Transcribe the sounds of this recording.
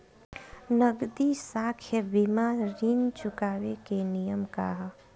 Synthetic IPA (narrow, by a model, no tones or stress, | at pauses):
nəɡd̪isaːkʰjəbimaːɾɾiːnt͡ʃʊkaːwekenijəmkaɦ